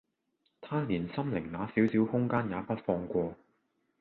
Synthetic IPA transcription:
t̪ʰaː˥liː˨˩nsɐ˥mlɪ˨˩ŋnaː˨˥siː˨˥wsiː˨˥whʊ˥ŋkaː˥njaː˨˧pɐ˥t̚fɔː˧ŋkʷɔː˧

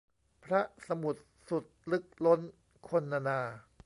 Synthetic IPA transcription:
pʰɾa˦˥sa˧mu˨˩t̪̚ | su˨˩t̪̚lɯ˦˥k̚lo˦˥n | kʰo˧nːa˧naː˧

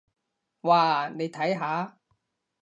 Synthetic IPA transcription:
waː˧˩ne˨˧jt̪ʰɐ˨˥jɦaː˨˥

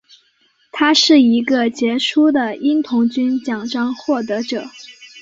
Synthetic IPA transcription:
t̪ʰa˥ʂɻ̩˥˩i˧˥ɡə˧t͡ɕjɛ˧˥ʂʰu˥d̪ə˨i˥nt̪ʰʊ˧˥ŋt͡ɕy˥nt͡ɕjɑ˨˩ŋʈ͡ʂɑ˥ŋxwɔ˥˩t̪̬ɤ˧˥ʈ͡ʂɤ˨˩˦

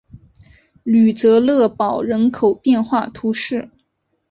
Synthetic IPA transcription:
ly˨˩t͡sɤ˧˥lɤ˥˩pɑ˨˩ʊɻə˧˥nkʰo˨˩ʊpjɛ˥˧nxwa˥˩t̪ʰu˧˥ʂɻ̩˥˩

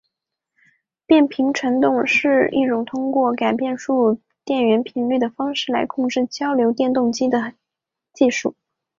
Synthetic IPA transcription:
pjɛ˥˩npʰi˧˥ŋʈ͡ʂʰwə˧˥nt̪ʊ˥˧ŋʂɻ̩˥˧ḭ˥˩ʈ͡ʂʊ˨˩ŋt̪ʰʊ˥ŋkwɔ˥˩ka˨˩ɪpjɛ˥˧nʂu˥˧ | t̪jɛ˥˩nɥɛ˧˥npʰi˧˥nly˥˩d̪ə˩fɑ˥ŋʂɻ̩˥˩la̰˧˥ɪkʰʊ˥˧ŋʈ͡ʂɻ̩˥˩t͡ɕjɑ˥ʊljo˧˥ʊt̪jɛ˥˧nt̪ʊ˥˩ŋt͡ɕi˥d̪ə˨ | t͡ɕi˥˧ʂu˥˩

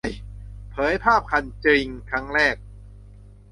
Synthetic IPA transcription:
jpʰɤː˩˦jpʰaː˥˩p̚kʰa˧nt͡ɕɾi˧ŋkʰa˦˥ŋɾɛː˥˩k̚

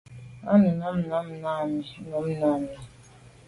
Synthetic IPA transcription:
a̰˦nu˨na˦m̩˨na˦m̩˨na˦˨mi˨˦no˨˦m̩˦na˨˦˨mi˨

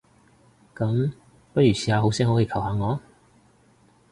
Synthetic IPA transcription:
kɐ˨˥m | pɐ˥t̚ɥyː˨˩siː˨˧haː˧ɦo˨˥wsɛː˥ɦo˨˥whiː˨˧kʰɐ˨˩wɦaː˨˧ŋɔː˨˧

